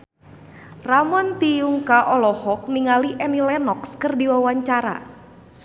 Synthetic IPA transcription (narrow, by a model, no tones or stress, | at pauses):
ramɔnt̪ijuŋkaʔɔlɔhɔk̚niŋaliʔɛnilɛnɔkskərdiwawaɲt͡ʃaɾa̰